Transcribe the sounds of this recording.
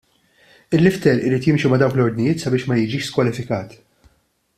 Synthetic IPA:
ɪlːɪft̪ɛɾɪɾiːt̪jɪmʃimɐd̪ɐwklɔɾd̪nɪjɪːt̪sɐbɪːʃmɐjɪd͡ʒiːʃskwɐlɪfɪkɐːt̪

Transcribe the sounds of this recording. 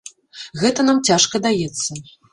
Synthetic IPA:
ɣɛt̪ɐnamt͡sʲaʂkɐd̪ajɛt̪sːɐ

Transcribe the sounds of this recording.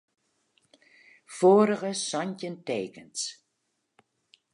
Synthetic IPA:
foːɾəɣəsɔɲcənteːkəns

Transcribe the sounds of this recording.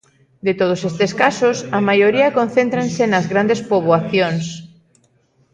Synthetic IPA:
d̪et̪oð̞osest̪eskasʊsɐmajoɾiɐkonθẽnt̪ɾansenɐzɣɾand̪espoβwaθjons

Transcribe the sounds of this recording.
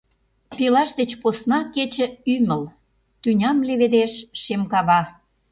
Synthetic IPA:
pilɑʃd̪et͡ɕposnɑket͡ɕə̆yməl | t̪ynʲɑmleβed̪eʃʃemkɑβɑ

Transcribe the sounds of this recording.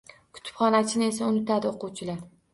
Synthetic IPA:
kʰʊ̥t̪ʰɪ̥pχɒnat͡ʃʰɪnɪe̞saʊnɪt̪ad̪ɪoquwt͡ʃʰɪlaɾ

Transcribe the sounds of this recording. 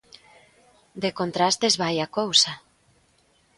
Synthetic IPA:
d̪ekont̪ɾast̪ezβajakowsa

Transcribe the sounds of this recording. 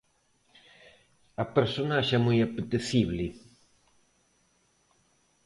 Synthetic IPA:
ɐpeɾsonaaʃɛmojɐpet̪eθiβli

